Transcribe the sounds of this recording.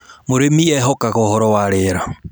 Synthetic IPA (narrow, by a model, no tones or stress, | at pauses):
moɾemiɛɦɔkaɣɔhɔɾɔwaɾeɾa